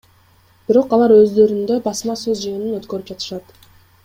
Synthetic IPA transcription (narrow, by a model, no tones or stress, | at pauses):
b̥iɾo̞qɑlˠɑɾø̞zd̪ø̞ɾynd̪øbɑsmɑsøzd͡ʒɯjnynøt̪kø̞ɾyp̚d͡ʒɑt̪ɯ̥ʃɑt̪